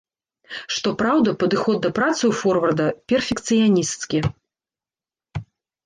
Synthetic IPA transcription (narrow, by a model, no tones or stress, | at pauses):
ʂt̪ɔpɾawd̪ɐpɐd̪ɨxɔd̪̚ːɐpɾat̪sɨufɔrvɐrd̪ɐpʲɛrfʲɛkt̪sɨjanʲist̪skʲi